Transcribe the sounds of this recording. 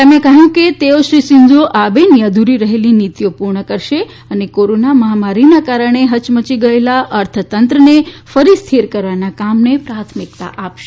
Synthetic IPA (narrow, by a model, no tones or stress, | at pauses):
t̪əmẽkəɦjũket̪eoʃɾisɪɲd͡ʒoʔabenjəd̪ʱuɾiɾəɦelinit̪jopuɾɳəkəɾʃe | ənekoɾonaməɦamaɾinakaɾəɳ̃eɦət͡ʃmət͡ʃiɡəelaʔəɾt̪ʰət̪ənt̪ɾənefəɾist̪ʰiɾkəɾʋanakamnepɾat̪ʰmik̚t̪a̰ʔapʃe